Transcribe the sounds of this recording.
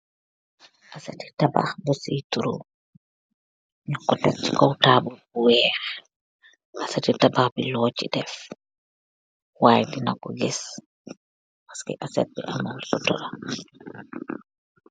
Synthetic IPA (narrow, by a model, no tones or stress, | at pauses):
ʔasatitaba̰xbɔsituɾṵ | nakːɔtat͡ʃi̥kɔwtaːbulbuwɛːɾ | ʔasatitabaxbilɔt͡ʃidɛf | waːjdinakɔɡɛs | pḁskɛ̰ʔasɛt̚bḭʔamalsɔtɔ̰ɾa